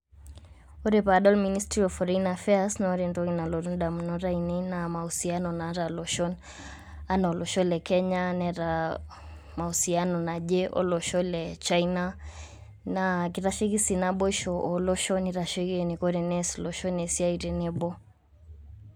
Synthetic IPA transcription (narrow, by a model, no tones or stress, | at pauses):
ɔɾɛpaɗɔlministɾiɔfɔɾainafɛasnaɔɾɛndɔɣinalɔɾunɗamunɔɾainɛnamausianɔnaɾalɔʃɔn | anaɔlɔʃɔlɛkɛɲanɛɾa | mausianɔnaʄɛʔɔ̰lɔʃɔlɛt͡ʃaina | nakiɾaʃiɣisinaɓɔʃɔʔɔlɔʃɔniɾaʃɛɣinikɔɾɛnɛslɔʃɔnɛsiaiɾɛnɛbɔ